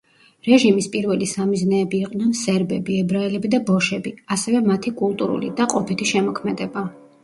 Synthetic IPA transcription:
ɾɛʒimispʼiɾvɛlisamiznɛːbiːqʼnɛnsɛɾbɛbiɛbɾaɛlɛbid̪abɔʃɛbiasɛvɛmat̪ʰikʼulˠt̪ʼṵɾṵlḭd̪aqʼɔpʰit̪ʰiʃɛmɔkʰmɛd̪ɛba

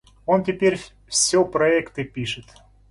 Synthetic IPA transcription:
ontʲɪpʲeɾʲ | fsʲopɾɐɛkt̪ɨpʲiʂɨt̪

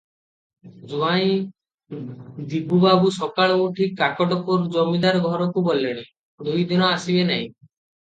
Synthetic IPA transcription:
d͡ʒuaĩ | d̪ibubabusɔkaɭɔuʈʰikakɔʈɔkɔɾd͡ʒɔmid̪aɾɡʱɔɾɔkubɔlɔɽ̃i | d̪ujd̪inɔasibenaɦḭ̃

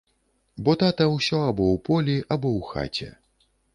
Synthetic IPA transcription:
bɔt̪at̪ɐwsʲɔɐbɔwpɔlʲiʔabɔwxa̰t͡sʲɛ̰

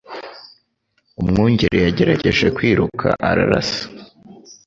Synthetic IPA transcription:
umŋuːɲɟeɾijaɟe̞ɾaɟe̞ʒe̞kwiːɾukʰa̰ʔaɾaɾasḁ

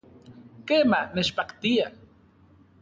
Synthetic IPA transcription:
kemanet͡ʃpakt̪ia

